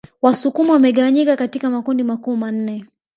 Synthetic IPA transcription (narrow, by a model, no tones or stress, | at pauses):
wasukumɔwamɛɠawaɲikakatikamakundimakuːman̩nɛ